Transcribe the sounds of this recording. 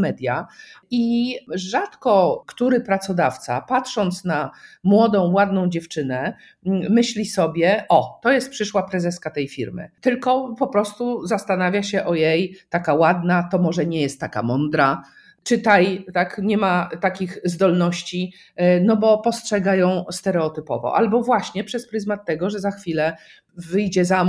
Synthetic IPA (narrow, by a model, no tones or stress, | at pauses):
mɛd̪ʲjaiʐat̪kɔkt̪uɾɘpɾat̪sɔd̪aft̪sa̰patʂɔnt̪snamwɔd̪ɔ̃w̃wad̪nɔ̃w̃d͡ʑɛft͡ʂɘnɛ | mɘɕlʲisɔbʲjɛʔɔt̪ɔjɛst̪̚pʂɘʂwapɾɛzɛskat̪ɛjfʲiɾmɘ̰t̪ɘlkɔpɔpɾɔst̪uzast̪anavʲjaɕɛʔɔjejt̪akawad̪nat̪ɔmɔʐɛɲɛjɛst̪ːaka̰mɔnd̪ɾa | t͡ʂɘt̪ajt̪akɲɛmat̪akʲiɣzd̪ɔlnɔɕt͡ɕi | nɔbɔpɔstʂɛɡajɔ̃w̃st̪ɛɾɛɔt̪ɘpɔ̰vɔ̰ʔa̰lbɔvwaɕɲɛpʂɛspɾɘzmat̪ːɛɡɔʐɛzaxfʲilɛ | vɘjd͡ʑɛzam